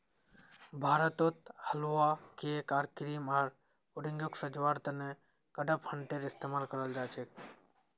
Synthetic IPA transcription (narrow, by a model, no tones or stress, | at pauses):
bʱaːɾət̪ot̪həlwakekaːɾkɾimaɾ | ʊɾɪ̃ŋɡjoksəd͡ʒwaːɾt̪əne | kəɖəphəɳʈeɾɪst̪eːmaːlkəɾəld͡ʒaːt͡ʃʰek